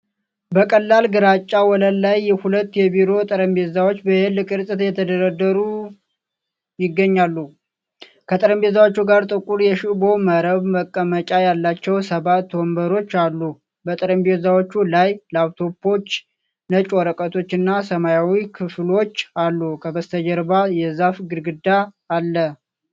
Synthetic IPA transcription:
bəkʼəlːalɡɨɾat͡ʃʼːawɔləlːajːɛhulət̪ːjɛbiɾo̞t̪ʼəɾəmbe̞zawot͡ʃːbəhɨlɨkʼɨɾsʼɨt̪jɛt̪ʰəd̪əɾəd̪əɾu | jɪɡːəɲːalːu | kʰət̪ʼəɾəmbe̞zawot͡ʃːuɡaɾt̪ʼɨkʼuɾjɛʃibo̞məɾəβməkʼːəmət͡ʃʼajalːat͡ʃːɛwsəβat̪ːwɔmbəɾo̞t͡ʃːalːu | bət̪ʼəɾəmbezawot͡ʃːulajləawt̪ʰo̞pʰːo̞t͡ʃː | nət͡ʃʼoɾəkʼət̪ʰo̞t͡ʃːɨnːasəmajawikʰɨflo̞t͡ʃːalːukʰəbəst̪ʰəd͡ʒɛɾbajɛzafɡɨɾɡɨd̪aː | lːə

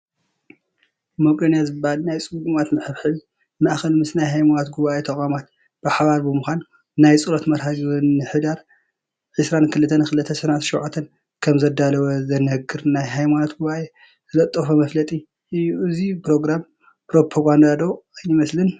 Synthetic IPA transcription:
mokʼɐnijazɨbːahalnajt͡sʼɨɡumat̪mɨħɨβħɨβi | maʔxɐlmɨsnajɦajmanot̪ɡuβaʔet̪ʰɐkʼamat̪ | b̥ɨħaβaɾbɨmuxʷanː | ajt͡sʼɨlot̪mɐɾhaɡɨnːɨħɨd̪aɾ | ʕɨsɾankʰɨlɨt̪ʰːɐnkʰɨlɨt̪ʰːɐsɐnat̪ʃɔʕat̪ʰːɐn | kʰɐmzɐd̪alɐwɐzɐnɐhɡɨɾnajɦajmanot̪ɡuβaʔe | zɨlɐt̪ʼːɐfomɐflɐt̪ʼi | ʔɨjːuʔɨzipɾo̞ɡɾam | pɾo̞pʰoɡand̪ad̪o̞jɪmɐslɨn

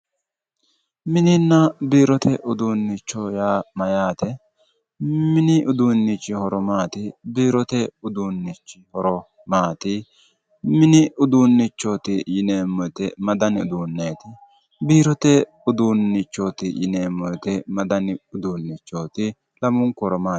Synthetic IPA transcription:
mɪnɪnːɐbiːɾɔt̪ʰɛʔʊd̪uːnːɪt͡ʃːojaːmɐjaːt̪ɛ | mɪnɪʔʊd̪uːnːɪt͡ʃːɪhɔɾɔmaːt̪ɪbiːɾɔt̪ɛʊd̪uːnːɪt͡ʃːɪhɔɾɔ | maːt̪ɪ | mɪnɪʊd̪uːnːɪt͡ʃːoːt̪ɪjɪneːmːɔjt̪ɛmɐd̪ɐnɪʊ̰d̪uːnːeːt̪ɪ | biːɾɔt̪ɛ | ʊd̪uːnːɪt͡ʃːoːt̪ɪjɪneːmːɔjt̪ɛmɐd̪ɐnɪʊd̪uːnːɪt͡ʃːoːt̪ɪ | lɐmʊŋkɔɾɔmaː

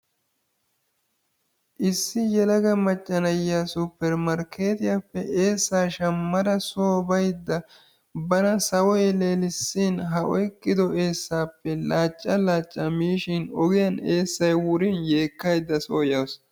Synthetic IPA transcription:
ʔɪsːɪjɛlɐɡɐmɐt͡ʃʼːɐnɐjːaːsʊpːɛɾmɐɾkʰe̞ːt̪ɪjapːɛʔe̞ːsːaːʃɐmːɐd̪ɐsoːbɐjd̪ːɐ | bɐnɐsɐwɔjleːlɪsːinɦɐʔɔ̰jkʼːɪd̪ɔʔe̞ːsːaːpːɛlaːt͡ʃʼːɐlaːt͡ʃʼːɐmiːʃɪnɔɡɪjɐne̞ːsːɐjwʊɾinje̞ːkːɐjd̪ːɐsoːjɐws

